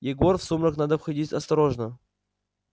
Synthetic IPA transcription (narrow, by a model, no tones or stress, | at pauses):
jɪɡorfsumɾəknad̪əfxɐdʲitʲɐst̪ɐɾoʐnə